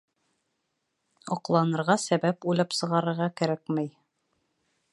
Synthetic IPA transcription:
ɒqlˠɑnɤ̆ɾʁɑsæbæpujlˠɑpsɤ̆ʁɑɾɤ̆ɾʁɑkæɾækmæj

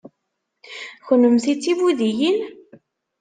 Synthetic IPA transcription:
çənəmθit͡sːivuðijin

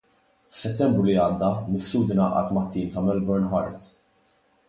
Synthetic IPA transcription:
fsɛt̪ːɛmbɾʊliɐːd̪ːɐmɪfsuːt̪ɪnɐʔɐ̰t̪mɐt̪ːiːmt̪ɐmɛlbɛɾnħɐɾt̪

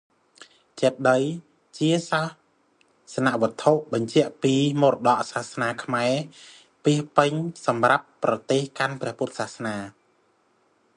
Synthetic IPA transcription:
t͡ɕɛt̪̚ɗəj | t͡ɕiəsah | sanaʔʋɨ̆ət̪ʰːoʔɓɑɲt͡ɕɛ̆əʔpiːmoːɾɗɑʔsahsnaːkʰmaɛ | piəhpɨɲsɑmrapːrɑt̪eːhkanprɛ̆əhpuət̪̚saːhsnaː

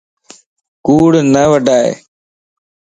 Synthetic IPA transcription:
kuːɽnəʋəɖaːḛː

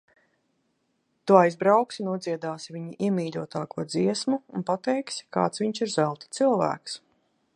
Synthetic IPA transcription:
t̪uajzbɾawksinuɔd̪ziɛd̪aːsivʲiɲiʔiɛmiːʎʲuɔt̪aːkuɔd̪ziɛsmuːnpat̪ɛjksi̥ka̰ːt̪svʲiɲsiɾzælˠt̪i̥t̪silˠvæ̰ːks

